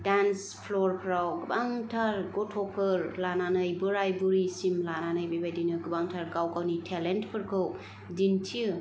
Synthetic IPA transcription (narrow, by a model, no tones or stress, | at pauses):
dans | pʰloɾpʰɾawɡɯbaŋtʰaɾɡɔtʰopʰɯɾlananɯjbɯɾajbuɾisimlananɯjbebajdinɯɡɯbaŋtʰaɾɡawɡawnitʰelentpʰɯɾkʰɯw | dintʰiɯ